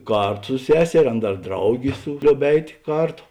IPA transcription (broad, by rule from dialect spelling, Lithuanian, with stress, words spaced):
ˈkɐrtʊ sʊ ˈsʲæːsʲɛrʲeː ˈɐn ˈdɐr ˈdrɐʊɡʲeː ˈlʲoːʊp ˈɛɪtʲ ˈkɐrˌtoː